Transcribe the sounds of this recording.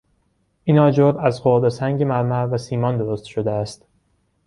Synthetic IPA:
ʔinɒːd͡ʒoɾæzɢod̪esæŋɟemæɾmæɾvæsiːmɒːnd̪o̞ɾost̪ʃod̪eæst̪

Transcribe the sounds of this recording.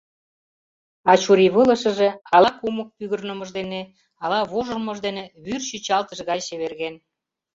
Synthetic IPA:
ɑt͡ɕuɾiβələ̆ʃə̆ʒeɑlɑkumək̚pyɣərnə̆məʒd̪ene | ɑlɑβoʒə̆rmɤʒd̪eneβyrɕyt͡ɕɑlt̪əʃɣɑjɕeβerɣen

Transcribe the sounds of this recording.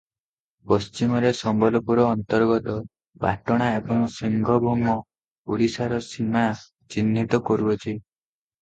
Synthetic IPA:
pɔst͡ʃimɔɾesɔmbɔlɔpuɾɔːnt̪ɔɾɡɔt̪ɔ | pa̰ʈɔɽ̃aebɔŋsiŋɡʱɔbʱumɔ | uɽisaɾɔsima | t͡ʃinːʱit̪ɔkɔɾuɔt͡ʃʰi

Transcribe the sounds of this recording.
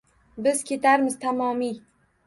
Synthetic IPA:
bɪzkʲʰe̞t̪ʰaɾmɪzt̪ʰamɒmi

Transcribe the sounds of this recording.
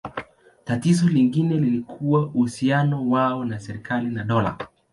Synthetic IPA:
tatizɔliŋɡinɛlilikʰuwauhusianɔwaɔnasɛɾikʰalinaɗɔla̰

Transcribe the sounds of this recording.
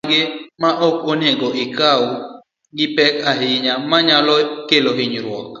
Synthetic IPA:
ɡɪmaʔɔkoneɡɔʔɪkawʊ | ɡɪpɛkaɦɪɲamaɲalɔkeloɦɪɲɾwɔ̰k

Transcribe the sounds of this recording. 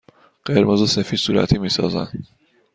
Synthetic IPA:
ɢ̥eɾmozesefiːd̪suːɾæ̰t̪ʰimiːsɒ̰ːzæ̰n

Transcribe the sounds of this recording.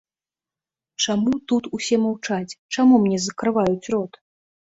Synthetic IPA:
t͡ʂamut̪ut̪usʲɛmawt͡ʂat͡sʲt͡ʂamumnʲɛzɐkɾɨvajut͡sʲrɔt̪

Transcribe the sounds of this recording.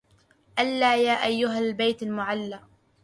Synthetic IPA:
ʔalːaːjaːʔajːʊɦalbajt̪almʊʕalːaː

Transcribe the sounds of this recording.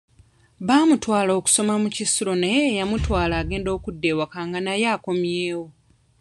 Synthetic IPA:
βaːmutwaːlo̞ːku̥so̞mamucisilo̞nejeːjamutwaːlaːɡe̞ːndo̞ːkudːeːwakaːŋɡanajaːko̞mjeːwo

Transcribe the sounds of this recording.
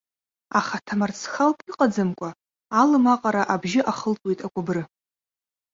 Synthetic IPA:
aχatʰamart͡sʰχalpʼiqʼad͡zɨmkʷʼa | alɨmaqʼaɾaʔabʒɪʔaχəlt͡sʼwe̞jtʼakʷʼabrɨ

